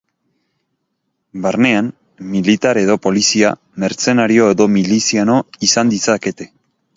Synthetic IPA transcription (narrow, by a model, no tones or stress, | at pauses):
baɾne̞an | milit̪aɾe̞ðo̞po̞lisia̰ | me̞ɾt͡se̞naɾio̞e̞ðo̞milisiano̞isand̪isake̞t̪e̞̥